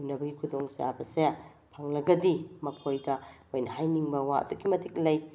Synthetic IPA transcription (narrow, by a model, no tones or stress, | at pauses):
unːɐbɐɡikʰudoŋsa̰bɐse | pʰaŋlɐɡɐdimɐpʰojdɐ | ojnɐhajniŋbɐwaɐ̰d̪uɡimɐtʰik̚lɐj